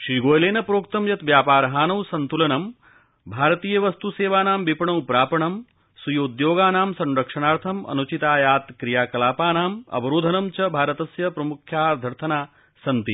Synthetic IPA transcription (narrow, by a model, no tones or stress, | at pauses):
ʃɾiːɡoːjleːnɐpɾoːk̚t̪ɐmjɐt̪ʋjaːpaːɾɦaːnɐwsɐnt̪ulɐnɐm | bʱaːɾɐt̪iːjɐʋɐst̪useːʋaːnaːmbipɐɳɐwpɾaːpɐɳɐm | sujoud̪joːɡaːnaːmsɐ̃nɾɐkʂɐnaːɾt̪ʰɐmɐ̰nut͡ʃit̪aːjaːt̪kɾijaːkɐlaːpaːnaːmɐ̰bɐɾoːd̪ʱɐnɐmt͡ʃɐbʱaːɾɐt̪ɐsjɐpɾɐmukʰjaːd̪ʱɐɾt̪ʰɐnaː | sɐnt̪i